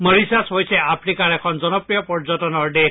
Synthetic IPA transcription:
məɾisasɦojsʰeapʰnikaɾekʰɔnd͡ʒɔnɔpɾijɔpɔɾd͡ʒɔtɔnɔɾɖe

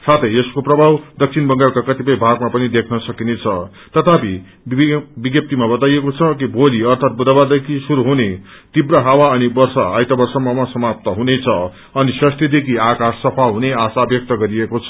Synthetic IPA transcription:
sat̪ʰʌjeskoprʌbʱawd̪ʌk̚t͡sʰinbʌŋɡalkakʌt̪ipʌjbʱaɡmapʌnid̪ekʰnʌsʌkinet͡sʰʌ | t̪ʌt̪ʰapi | biɡjʌp̚t̪imabʌt̪ajekot͡sʰʌk̬ibʱoliʌrt̪ʰat̪̚bud̪ʱabad̪ekʰisuɾuɦune | t̪ibrʌɦawaʌnibʌrsʌ̰a̰jt̪ʌbʌrsʌmʌmʌsʌmap̚t̪ʌɦunet͡sʰʌ | ʌnisʌst̪ʰjid̪ekʰiakasːʌpʰaɦuneasabjʌk̚t̪ʌɡʌɾiekot͡sʰʌ̥

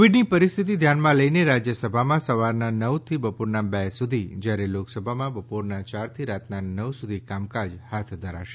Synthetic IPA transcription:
ʋiɖnipəɾist̪ʰit̪̬id̪ʱjanmãləineɾad͡ʒjəsəbʱamãsəʋaɾnanəʋt̪ʰibəpoɾnabɛsud̪ʱid͡ʒjaɾeloksəbʱamãbəpoɾnat͡ʃaɾt̪ʰiɾat̪nanəʋsud̪ʱikamkad͡ʒhat̪ʰd̪ʱəɾa̰ʃe

